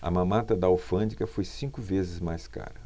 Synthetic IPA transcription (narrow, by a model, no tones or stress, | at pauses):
ɐ̰mɐ̃mat̪ɐd̪ɐawfɐ̃d͡ʒikɐfojsĩkʊvezɪzmajska̰ɾɐ